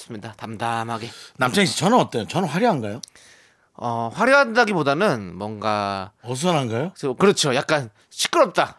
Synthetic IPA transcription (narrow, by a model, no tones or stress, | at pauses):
s͈ɯmɲidatamdamɦaɡe̞namt͡ɕʰaŋiit͡ɕʌnɯnʌt͈ʌot͡ɕʌnɯnɸwaɾjʌɦanɡajo | ʌɸwaɾjʌɦandaɡibodanɯnmwʌnɡaʌs̬ʰʌnɦanɡajokɯɾʌt͡ɕʰojak̚k͈an | ɕʰi̥k͈ɯɾʌp̚t͈a